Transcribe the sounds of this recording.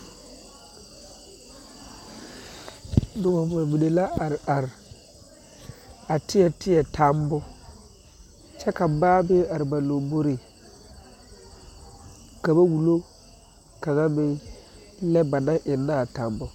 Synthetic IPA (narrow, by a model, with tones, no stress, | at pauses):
dʊ˨wa˨ba˨mi˨ne˨la˦˨a˨ɾ | a˨tɪ˦ɛ˨tɪ˦jɛ˨tʰa˦mbʊ˦ | t͡ʃɛ˦ka˨baː˦bɪ˦a˨ɾɪ˨ba˨lo˨bo˦ɾi˨ | ka˨ba˦wu˨lo˦ | ka˨na˦mɪ˦ | lɛ˦ba˨na˦ʔɪ˨nːa˦˨ta˨mbʊ˦